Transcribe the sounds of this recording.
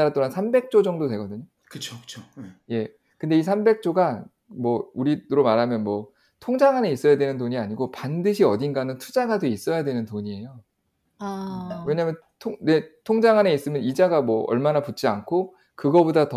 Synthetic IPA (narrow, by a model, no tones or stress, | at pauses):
aɾat͈oansʰambek̚t͡ɕ͈od͡ʑʌŋdotwe̞ɡʌdɯɲo | kɯt͡ɕʰot͡ɕʰoje̞ | kɯnde̞is̬ʰambe̞k̚t͡ɕ͈oɡa | mwʌuɾiɾomaɾɦamjʌnmwʌ | tʰoŋd͡ʑaŋɦane̞is͈ʌjadwe̞nɯntoɲiaɲiɡopandɯɕʰiʌdinɡanɯntʰud͡ʑaɡadweis͈ʌjadwe̞nɯntoɲie̞jo | awe̞ɲamjʌn | tʰoŋne̞tʰoŋd͡ʑaŋɦane̞is͈ɯmjʌnid͡ʑaɡamwʌʌ̰ɭmanaput̚t͡ɕ͈iankʰo | kɯɡʌbodatʌ